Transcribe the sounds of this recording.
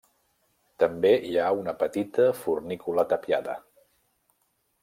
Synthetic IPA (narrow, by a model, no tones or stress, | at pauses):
t̪əmbeiaunəpət̪it̪əfurnikulat̪əpja̰ðə̰